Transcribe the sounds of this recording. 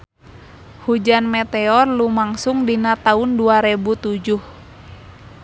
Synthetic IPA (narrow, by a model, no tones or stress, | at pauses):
hud͡ʒanmɛt̪ɛɔrlumaŋsʊŋdinat̪aʊnduaɾɛbut̪ud͡ʒuh